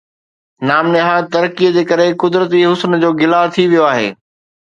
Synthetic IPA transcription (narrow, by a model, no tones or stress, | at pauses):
naːmnɪɦat̪ɐɾkijəd͡ʑeːkɐɾekʊd̪ɾət̪iɦʊsnd͡ʑoːɡɪlat̪ʰiʋijoaːɦḛː